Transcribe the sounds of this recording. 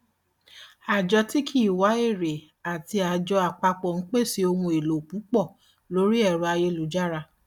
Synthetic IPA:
a˨d͡ʒɔ˧ti˦kʰi˦˨wa˨˦e˦˨ɾe˨ | a˨ti˧a˨d͡ʒɔ˧a˨k͡pa˧k͡pɔ˨ñ̩˦k͡pe˦˨si˧o˧hũ˧e˨lo˨k͡pu˨˦k͡pɔ˦˨ | lo˨˦ɾi˦ɛ˦˨ɾu˨˧a˧je˧lu˨˦d͡ʒa˦ɾa˧

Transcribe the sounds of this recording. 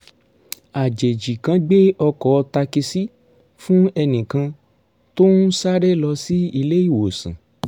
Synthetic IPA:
a˨d͡ʒe˨d͡ʒi˨kã˧ɡ͡be˦ɔ˧kɔ˨˦ɔ˧ta˧ki˧si˦ | fũ˦ɛ˧nĩ˨kã˧ | to˦nũ˦sa˦ɾɛ˦lɔ˧si˦i˧le˦i˦˨wo˨sḭ̃˨

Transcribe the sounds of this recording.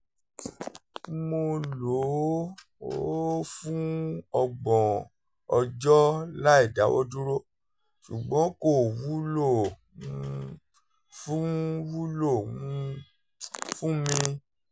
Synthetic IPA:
mo˧lo˨˦ | o̰˦fũ˦ɔ˧ɡ͡bɔ̃˨ | ɔ˧d͡ʒɔ˦la˦i˦˨da˨˦wʔɔ̰˦du˦ɾo˦ | ʃu˨ɡ͡bɔ̃˨˦ko˦˨wu˦lõ˦˨˧ | fũ˦wu˦lo˦˨ũ˦˧ | fũ˦mĩ˧

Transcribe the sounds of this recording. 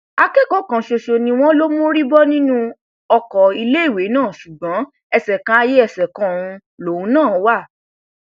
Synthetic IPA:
a˧kɛ˦kɔ˦kã˨ʃo˧ʃo˧nĩ˧w̃ɔ̃˦lo˦mõ˦ɾi˦bɔ˦nĩ˦nũ˦ | ɔ˧kɔ˨i˧le˦i˦˨we˨˦nãː˦˨ʃu˨ɡ͡bɔ̃˨˦ | ɛ˧sɛ˨kã˧˦a˧je˦ɛ˦˨sɛ˨kã˧˨ũ˧ | lo˨ũ˨˦nãː˦˨˦wa˦˨

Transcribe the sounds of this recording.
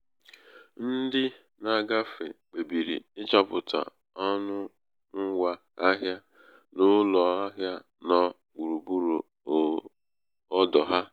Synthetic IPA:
n̩˦dɪ˦ | na˨ɡa˦fḛ˨k͡pe˨bi˨ɾḭ˨ɪ˦t͡ʃa˦pʊ˨tʰa̰˨ | ɔ˦nʊ˦ | ŋ̩˦wa˦ | a˦ɦja˦ | nʊ˦lɔ˨a˦ɦja˦ | nɔ˦ | k͡pu˨ɾu˨bu˦ɾu˨ | ɔ˦dɔ˨ɦa˦

